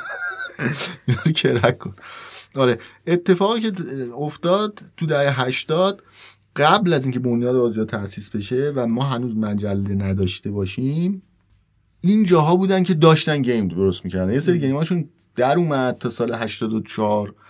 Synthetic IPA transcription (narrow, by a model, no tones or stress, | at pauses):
inɒːɾocʰeɾækʰːonɒːɾeet̪ʰːe̞fɒːɣicʰe̞oft̪ɒːd̪̥ʰud̪æheɦæʃt̪ɒːd̪̥ | ɢæblæziːŋcʰe̞bo̞njɒːd̪eɒːzijɒːt̪ʰæʔsiːsbe̞ʃe̞væmɒːɦænuːzmæd͡ʒælːe̞næd̪ɒːʃt̪e̞bɒːʃim | ʔind͡ʒɒːɦɒːbuːd̪æncʰe̞d̪ɒːʃt̪ænɟejmdd̪oɾost̪miːcʰæɾd̪ænjes̬eɾiɟe̞jmɒːʃun | d̪̥æɾuːmæd̪̥̚t̪ʰɒːsɒːleɦæʃt̪ɒːd̪ot͡ʃʰɒɾ